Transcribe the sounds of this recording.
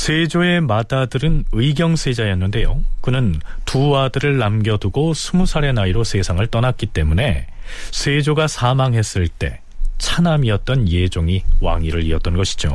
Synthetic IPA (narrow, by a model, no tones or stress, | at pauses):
sʰe̞d͡ʑoe̞madadɯɾɯnɯiɡjʌŋsʰe̞d͡ʑajʌnːɯnde̞jokɯnɯntuadɯɾɯɭːamɡjʌduɡosʰumusʰaɾe̞naiɾosʰe̞sʰaŋɯɭt͈ʌnat̚k͈it͈e̞mune̞ | sʰed͡ʑoɡasʰamaŋɦe̞s͈ɯɭt͈e̞ | t͡ɕʰanamiʌt̚t͈ʌnje̞d͡ʑoŋiwa̰ŋiɾɯɾiʌt͈̚ʌnɡʌɕʰi̥d͡ʑo̰